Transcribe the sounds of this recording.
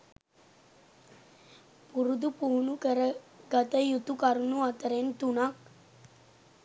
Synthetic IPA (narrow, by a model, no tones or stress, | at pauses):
puɾud̪upuːɳukəɾəɡɐt̪əjut̪ukaɾunuat̪əɾent̪unak̚